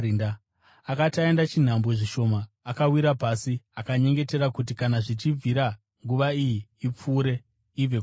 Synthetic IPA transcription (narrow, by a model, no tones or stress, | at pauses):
ina | akataendat͡ʃin̤ambo̞ʐiʃo̞maː | kawiɾapasiakaɲe̞ŋɡe̞te̞ɾakut̬ikanaʐit͡ʃivʱiɾa | ŋɡuʋaijiːp͡fuːɾe̞ | ive